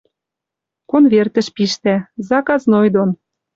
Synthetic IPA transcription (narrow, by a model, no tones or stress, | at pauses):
konvert̪ə̆ʃpiʃt̪æzɑkɑznojd̪on